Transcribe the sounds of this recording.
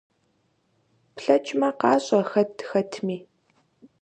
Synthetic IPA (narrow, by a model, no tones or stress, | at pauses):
pɬɐt͡ʃʼmɐqɑːɕʼɐxɐtʰxɐtʰmiː